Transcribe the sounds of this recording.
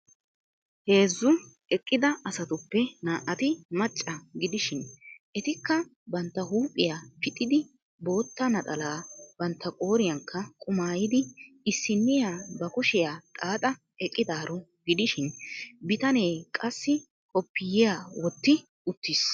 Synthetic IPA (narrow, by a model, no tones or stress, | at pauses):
he̞ːzːʊ | ɛkʼːɪd̪ɐɐsɐt̪ʊpːɛnaːʔɐt̪ɪmɐt͡ʃʼːɐɡɪd̪ɪʃɪnʔɛt̪ɪkːɐ | bɐnt̪ːɐhuːpʼːɪjapɪt̪ʼːɪd̪ɪ | bo̞ːt̪ːɐnɐt̪ʼɐlaːbɐnt̪ːɐkʼo̞ːɾɪjɐŋkʰːɐkʼʊmaːjɪd̪ɪ | ɪsːɪnːɪjaːbɐkʊʃɪjaːt̪ʼaːt̪ʼɐ | ɛkʼːɪd̪aːɾɔɡɪd̪ɪʃɪnbɪt̪ɐne̞ːkʼɐsːɪ | hɔpːɪjɪjaːwɔt̪ːɪ | ʊt̪ːɪs